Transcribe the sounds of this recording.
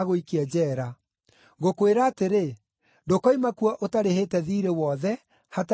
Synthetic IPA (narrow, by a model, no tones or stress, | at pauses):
ɣoikiɛd͡ʑɛːɾa | ɣokoweɾaːteɾe | ndokɔimakwaʔotaɾeheːtɛðiːɾewɔðɛ | hat